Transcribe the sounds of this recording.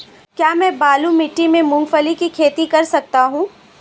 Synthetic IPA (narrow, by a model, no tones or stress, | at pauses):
kjaːmɛ̃ːbaːlumɪʈːimẽmʊ̃ŋɡfəlikikʰeːt̪ikɐɾsɐk̚t̪aɦũː